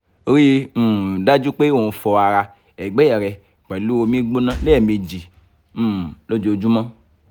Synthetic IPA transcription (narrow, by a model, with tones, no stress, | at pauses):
o˨˦ɾĩ˦˨da˦d͡ʒu˦k͡pe˦wo˨u˧fɔ˧a˨ɾa˧ | ɛ˨ɡ͡bɛ˦ɛ˨ɾɛ˧˨ | k͡pɛ˨lu˦o˧mĩ˦ɡ͡bo˦nã˦lɛ˦ɛ˨mi˧d͡ʒi˨˦˨ | lo˦d͡ʒo˨o˨d͡ʒu˦mã˦